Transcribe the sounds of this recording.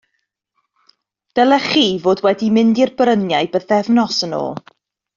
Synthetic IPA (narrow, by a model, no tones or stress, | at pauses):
d̥ɛlˠɛχivoːdwɛdimɪndirbrənjajbəθɛvnɔsəno̰ː